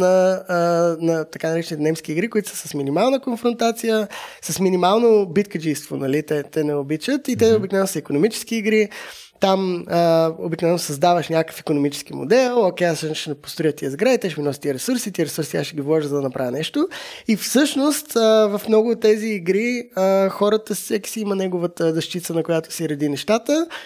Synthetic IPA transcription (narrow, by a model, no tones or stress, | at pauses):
nɐ | nɐt̪ɐkanɐɾɛt͡ʃɛnit̪ɛnɛmsk̟iːɡɾikʊit̪ʊsə̥səsminimalˠnəkonfɾont̪at̪sijəsəsminimalˠnobit̪kəd͡ʒist̪vonɐlit̪ɛt̪ɛnɛobit͡ʃət̪it̪ɛobiknɛvɛnosəikonomit͡ʃɛ̥sk̟iːɡɾi | t̪aməobiknvɛnʊsɐzd̪avəʃnʲakə̥fikonomit͡ʃɛ̥skimo̰d̪ɛlˠokɛassəʃnʃɛnɛpo̥st̪ɾojət̪ːiəzɡɾait̪ɛʃɛminɔsit̪iəɾɛsuɾsit̪iəɾɛsuɾsiaʃɛɡʲivlˠɔʒəzɐd̪ɐnɐpɾavʲənɛʃt̪oifsɤʃnost̪əvɐfmnɔɡʊːt̪ːɛziːɡɾiəxɔɾət̪əssɛki̥siimənɛɡʊvət̪əzɐʃt̪it̪sənɐkʊjat̪o̥siɾɐd̪inɛʃt̪at̪ə